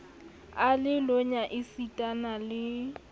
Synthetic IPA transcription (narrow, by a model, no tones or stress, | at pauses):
alɪloɲaʔɪsitʼanalɪ